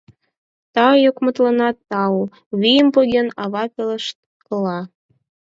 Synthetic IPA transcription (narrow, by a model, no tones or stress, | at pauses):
t̪ɑjokmə̆t̪lənɑt̪ːɑu | βijəmpoɣʲenɑβɑpʲeləʃt̪̚ | kəlɑ